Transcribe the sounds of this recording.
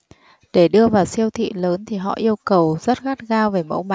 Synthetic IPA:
ɗe˧˩ɗɨ˧əvaː˨˩wsi˧əwt̪ʰḭ˧˨ləː˨˦nt̪ʰi˨˩ɦɔ̰˧˨ʔi˧əwkə˨˩wzə˦˥t̚ɣaː˦˥t̚ɣaː˧wve˨˩mə̰˧˥wma˧˨

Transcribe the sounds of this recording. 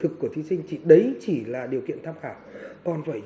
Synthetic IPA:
ɨ˨˩kːu˧˩ət̪ʰi˨˦sï˧ŋ̟t͡ɕi˧˩ɗə˨˦jt͡ɕi˧˩laː˨˩ɗi˨˩əkḭ˧˨ənt̪ʰaː˧mxaː˧˩wkɔ˨˩nvaː˧˩j

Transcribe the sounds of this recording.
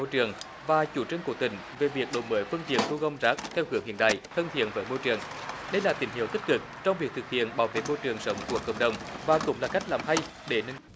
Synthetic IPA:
o˧t͡ɕɨ˨˩əŋ | vaː˨˩t͡ɕu˧˦t͡ɕɨ˧ŋko˧˩t̪ï˨˩˦ŋ̟ve˨˩vi˨˩ək̚ɗo˨˩məː˨˦jfɨ˧ənt̪i˨˩ən̚t̪u˧ɣə˧wŋ͡mzaː˦˥k̚t̪ʰɛ˧whɨ˨˦əŋhḭ˧˨ənɗa̰ː˧˨jt̪ʰə˧nt̪ʰi˧˨ənvəː˨˦jmo˧jt͡ɕɨ˨˩əŋ | ɗə˧jlaː˨˩t̪ï˨˦ŋ̟hḭ˧˨əwt̪ï˦˥k̟̚kɨ˨˩k̚t͡ɕɔ˧wŋ͡mvi˨˩k̚t̪ɨ˨˩k̚hḭ˧˨ənɓaː˨˦wvḛ˧˩˥mo˧t͡ɕɨ˨˩əŋsə˨˦wŋ͡mku˧˩əkːə̰˧˩wŋ͡mɗə˨˩wŋ͡mvaː˨˩kʊ̰˧˥ŋ͡mlaː˨˩ka˦˥jk̚laː˨˩mɦa˧j | ɗe˧˩nə˧

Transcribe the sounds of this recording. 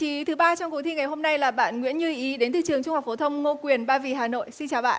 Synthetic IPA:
i˨˦t̪ʰɨ˨˦ɓaː˧t͡ɕɔ˧ŋ͡mku˨˩˦t̪i˧ŋa˨˩jɦo˧mna˧jlaː˨˩ɓa̰ː˧˨nŋwḭ˧˥ənɲɨ˧ʔi˨˦ɗe˨˦nt̪ʰḭ˧˨t͡ɕɨ˨˩əŋt͡ɕʊ˧ŋ͡ma˨˩kfo˨˦t̪ʰə˧wŋ͡mŋo˧kwi˨˩ənɓaː˧vḭ˧˩ɦaː˨˩no̰˧˨jsi˧nt͡ɕaː˨˩wɓa̰ː˧˨

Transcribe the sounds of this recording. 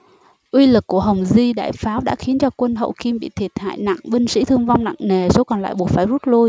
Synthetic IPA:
ʔwi˧lɨ˨˩kːu˧˩əɦə˨˩wŋ͡mzi˧ɗa̰ː˧˨jfaː˨˦wɗa̰ː˧˥xi˨˦ənt͡ɕɔ˧kwə˧nɦə̰˧˨wki˧mɓḭ˧˨t̪ʰi˨˩ət̚ha̰ː˧˨jna̰˧˨ŋɓi˧ŋ̟sḭ˧˥t̪ʰɨ˧əŋva˧wŋ͡mna̰˧˨ŋŋe˨˩so˨˦kɔ˨˩nla̰ː˧˨jɓu˨˩ət̚faː˧˩jzu˦˥t̚lu˧j

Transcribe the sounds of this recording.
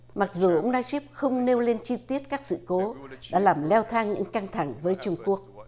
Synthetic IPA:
ma˨˩k̚zu˨˩ʔə˧wŋ͡mnaː˧zi˦˥p̚xə˧wŋ͡mne˧wle˧nt͡ɕi˧t̪i˦˥ət̚kaː˦˥k̚sɨ̰˧˨ko˨˦ɗa̰ː˧˥laː˨˩mlɛ˧wt̪ʰaː˧ŋɲɨ̰˧˥ŋka˧ŋt̪ʰa˧˩ŋvəː˨˦jt͡ɕʊ˧ŋ͡mku˦˥ək̚

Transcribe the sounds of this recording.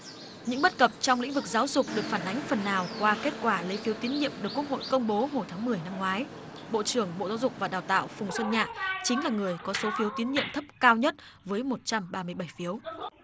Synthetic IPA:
ɲɨ̰˧˥ŋɓə˦˥t̚kə˨˩p̚t͡ɕɔ˧wŋ͡mlḭ˧˥ŋ̟vɨ˨˩k̚zaː˨˦wzʊ˨˩k͡p̚ɗɨ˨˩ək̚faː˧˩nʔa˨˦jŋ̟fə˨˩nːaː˨˩wkwaː˧ke˦˥t̚kwaː˧˩lə˧jfi˨˦wt̪i˨˦ənɲḭ˧˨əmɗɨ˨˩kːu˦˥ək̚ho̰˧˨jkə˧wŋ͡mɓo˨˦ɦo˨˩jt̪ʰaː˨˦ŋmɨ˨˩əjna˧mŋwaː˨˦j | ɓo̰˧˨t͡ɕɨ˧˩əŋɓo̰˧˨zaː˨˦wzʊ˨˩k͡pk̚vaː˨˩ɗaː˨˩wt̪a̰ː˧˨wfʊ˨˩ŋ͡mswə˧nɲa̰ː˧˨t͡ɕï˨˦ŋ̟laː˨˩ŋɨ˨˩əjkɔ˨˦so˨˦fi˨˦əwt̪i˨˦nɲḭ˧˨əmt̪ʰə˦˥p̚kaː˧wɲə˦˥t̚vəː˨˦jmo˨˩t̚t͡ɕa˧mɓaː˧mɨ˧əjɓa˧˩jfi˨˦əw

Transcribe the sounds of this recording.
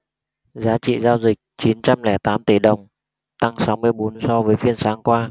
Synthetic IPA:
zaː˨˦t͡ɕḭ˧˨zaː˧wzï˨˩k̚t͡ɕi˨˦nt͡ɕa˧mlɛ˧˩t̪aː˨˦mt̪i˧˩ɗə˨˩wŋ͡m | t̪a˧ŋsa˨˦wmɨ˧əjɓo˨˦nsɔ˧vəː˨˦jfi˧ənsaː˨˦ŋkwaː˧

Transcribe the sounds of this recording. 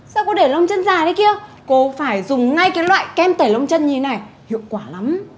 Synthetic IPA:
saː˧wkɔ˨˦ɗe˧˩lə˧wŋ͡mt͡ɕə˧nzaː˨˩ɗə˨˦jki˧ə | ko˧faː˧˩jzʊ˨˩ŋ͡mŋa˧jkaː˨˦jlwa̰ː˧˨jkɛ˧mt̪əː˨˩jlə˧wŋ͡mt͡ɕə˧nɲi˧e˦na˨˩j | hḭ˧˨əwkwaː˧˩la˨˦m

